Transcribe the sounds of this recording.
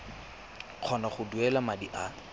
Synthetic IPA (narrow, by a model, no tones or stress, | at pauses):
q͡χʰɔnaχʊduɛlamadiʔa